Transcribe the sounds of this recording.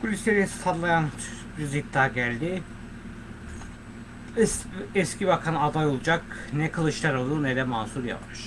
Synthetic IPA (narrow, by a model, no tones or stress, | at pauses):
bulʲislʲeɾisad̪lˠajanbiɾzid̪ːaːɟælʲd̪i | ɛsciβakʰanad̪ajo̞lˠud͡ʒaknɛkʰɯlˠɯʃlaɾolˠunɛd̪ɛmaːsuɾja̰paɾ̥